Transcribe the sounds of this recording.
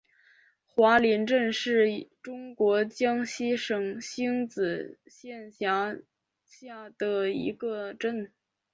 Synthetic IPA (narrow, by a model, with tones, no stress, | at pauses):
xwa˧˥li˧˥nʈ͡ʂə˥˧nʂɻ̩˥˩ʈ͡ʂʊ˥ŋkwɔ˧˥t͡ɕjɑ˥ŋɕi˥ʂɤ˨˩ŋɕi˥ŋt͡sɹ̩˨˩ɕjɛ˥˩nɕjɑ˧˥ | ɕja˥˩d̪̥ə˩ḭ˧˥ɡə˧ʈ͡ʂə˥˧n